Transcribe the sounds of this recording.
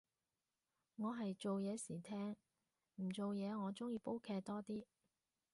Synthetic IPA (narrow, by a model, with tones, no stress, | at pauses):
ŋɔː˨˧ɦɐ˨jt͡so˨wjɛː˨˧siː˨˩t̪ʰɛː˥ŋ | m̩˨˩t͡so˨wjɛː˨˧ŋɔː˨˧t͡sʊ˥ŋjiː˧po˥wkʰɛː˧k̚t̪ɔː˥t̪iː˥